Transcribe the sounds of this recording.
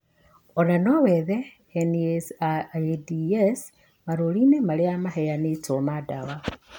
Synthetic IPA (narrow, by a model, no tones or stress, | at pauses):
onanoweðe | enies | dies | maɾolinemaliamaɦejanitomadawa